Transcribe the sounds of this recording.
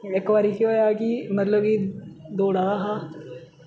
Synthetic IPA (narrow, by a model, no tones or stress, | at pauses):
ɪkːʋaːɾiːkiɦoːjaːkimət̪ləb̚kiːd̪oːɽaːɦaː